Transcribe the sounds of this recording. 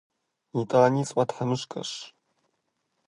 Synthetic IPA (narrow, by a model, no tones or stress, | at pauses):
itʼanisʼwatħamɨʂkʼɐ̰ʂ